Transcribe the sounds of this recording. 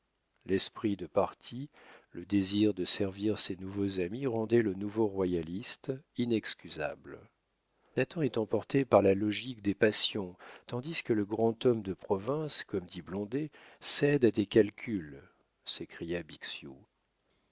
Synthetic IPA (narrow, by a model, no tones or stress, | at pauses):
lɛspχid̪əpaʁt̪ʰi | ləd̪eziʁd̪əsɛʁviʁsenuvozamiʁɑ̃d̪ɛlənuvoʁwajalist̪inɛkskʲyza̰bl | nat̪ɑ̃ɛt̪ɑ̃pɔʁt̪epaʁlalɔʒikd̪epasjɔ̃t̪ɑ̃d̪iskələɡʁɑ̃t̪ɔmd̪əpχɔvɛ̃skɔmd̪iblɔ̃d̪esɛd̪ad̪ekalkʲʰyl | sekχijabiksju